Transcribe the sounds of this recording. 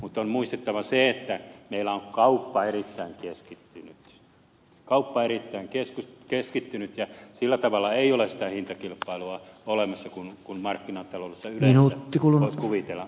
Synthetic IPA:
mut̪ːonmuist̪et̪ːɑʋɑseet̪ːæmeilːˑæoŋkkɑupːɑerit̪ːæiŋkeskit̪ːynyt̪ | kɑupːɑerit̪ːæiŋkeskukeskit̪ːynyt̪jɑsilːæt̪ɑʋɑlːɑeiolessit̪æhint̪ɑkilpːˑɑiluɑolemɑsːɑkunkummɑrkːinɑnt̪ɑloudesːɑymleinuæt̪ːikulunoiskuʋit̪elːɑ

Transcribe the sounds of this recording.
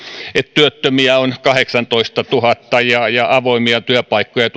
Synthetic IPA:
et̪t̪yøt̪ːømiæonkɑheksɑnt̪oist̪ɑt̪uhɑt̪ːɑjɑjɑʔɑʋoimiɑt̪yøpɑikːojɑt̪

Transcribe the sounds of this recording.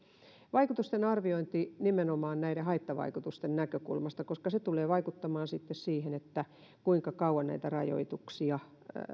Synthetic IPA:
ʋɑikut̪ust̪enɑrʋioint̪inimenomɑːnnæiɾehɑit̪ːɑʋɑ̰ikut̪ust̪ennækøkṵlmɑst̪ɑkoskɑset̪uleːʋɑikut̪ːɑmɑːnsit̪ːessiːhenet̪ːæ | kuiŋkɑkɑuwɑnnæ̰it̪ærɑjo̰it̪uksiɑ

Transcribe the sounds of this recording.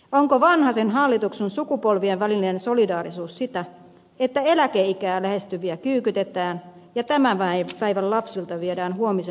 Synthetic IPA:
oŋkoʋɑnhɑsenɦɑlːit̪uksensukupolʋieʋʋælinensolidɑːɾisuːssit̪æ | et̪ːæelækeikæːlæhe̞st̪yʋiækyːkyt̪et̪æːn | jɑt̪æmæʋæipæiʋællɑpsilt̪ɑʋiedæːnhuomise

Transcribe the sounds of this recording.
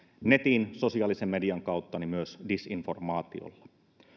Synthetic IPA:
ne̞t̪iːnso̞siɑːlisemːe̞diɑŋkɑuwt̪ːɑnimyøsdisinfo̞rmɑːt̪ḭo̰lːɑ̥

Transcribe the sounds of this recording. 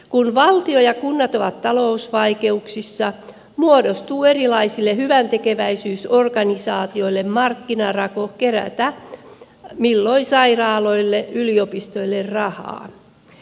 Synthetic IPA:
kunʋɑlt̪iojɑkunːɑt̪oʋɑt̪tɑlousʋɑike̞uksisːɑ | muodost̪uːerilɑisilːehyʋænt̪ekeʋæisyːsorkɑnisɑːt̪io̞ilːemmɑrkːinɑrɑkokeræ̰t̪æ | milːoisɑirɑːloilːeʔʔyliopist̪oilːerrɑhɑ̰ː

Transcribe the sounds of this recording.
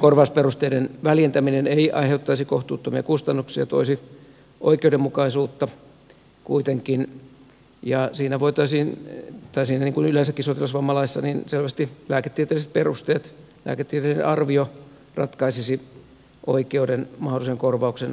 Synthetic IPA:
korʋɑusperust̪eidenʋæljent̪æmineneiʔɑ̰iheut̪ːɑisikoht̪uːt̪ːomiɑ̰kust̪ɑnːuksiɑ̰t̪oisi | ʔo̰ikeudemukɑisuːt̪ːɑ | kuit̪eŋkin | jɑsiːnæʋoit̪ɑisiːnt̪ɑisiːnæniːŋkunylensækːisot̪ilɑsʋɑmːɑlɑissːɑninselʋæst̪ilæːket̪ːiet̪eliset̪̚perust̪eːt̪ | læ̰ːket̪ːiet̪eˑlinḛʔɑrʋio | rɑ̰t̪kɑisisi | ʔoikeudenmɑholːˑiseŋkorʋɑuksen

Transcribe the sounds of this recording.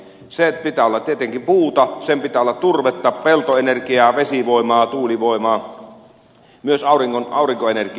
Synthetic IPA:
sepit̪æːolːɑt̪t̪iet̪eŋkimpuːt̪ɑsempit̪æːolːɑt̪t̪urʋet̪ːɑːppelt̪oenerkiɑːʋesiʋoˑemɑːt̪uːliʋoˑemɑː | myøsɑˑuriŋkonɑˑuriŋkoenerki

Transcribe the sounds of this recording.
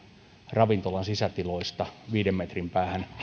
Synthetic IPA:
rɑʋint̪olɑnsisæt̪iloist̪ɑʋiːdemmet̪rimpæːhæn

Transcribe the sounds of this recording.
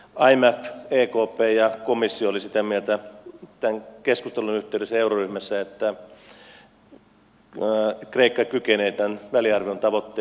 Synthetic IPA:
ɑimæfeːkoːpeːjɑkomisːioolisit̪æmielt̪æt̪æŋkeskust̪elunyht̪eˑydøsːæeuroryhmæsːæet̪ːæ | kreikːɑkykeneːt̪ænʋæliɑrʋiont̪ɑʋot̪ːe

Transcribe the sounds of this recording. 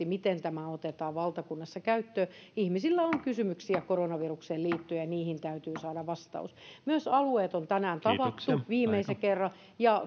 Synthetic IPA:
imit̪ent̪æmæot̪et̪ɑːʋʋɑlt̪ɑkunːɑsːɑkæyt̪ːøː | ihmisilːæoŋkysymyksiækoronɑʋirukseːliːt̪ːyejɑniːhint̪æyt̪yːsɑːdɑʋʋɑst̪ɑ̰usmyøsɑlueːt̪ont̪ænæːnt̪ɑʋɑt̪ːuʋiːmeisekerːɑ | jɑ

